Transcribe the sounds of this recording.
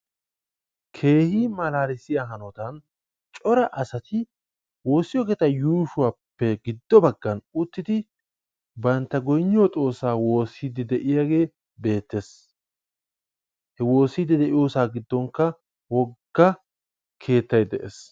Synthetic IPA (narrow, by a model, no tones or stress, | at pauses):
kʰe̞ːhimɐlaːɾɪsɪjaɦɐnɔt̪ɐn | t͡ʃʼɔɾɐʔɐsɐt̪ɪ | wo̞ːsːɪjɔkɛt̪ɐjuːʃʊwaːpːɛɡɪd̪ːɔbɐɡːɐnʊt̪ːɪd̪ɪ | bɐnt̪ːɐɡɔjɲːɪɔt͡sʼo̞ːsːaːwo̞ːsːiːd̪ɪd̪ɛʔɪjaɡe̞ː | be̞ːt̪ːe̞s | hɛwo̞ːsːiːd̪ɪd̪ɛʔɪjo̞ːsaːɡɪd̪ːɔŋkːɐ | wɔɡ̥ːɐ | kʰe̞ːt̪ːɐjd̪ɛʔes